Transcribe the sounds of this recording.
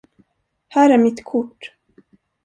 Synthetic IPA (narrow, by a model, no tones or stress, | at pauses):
hæːɾæɾmɪt̪kʰʊʈː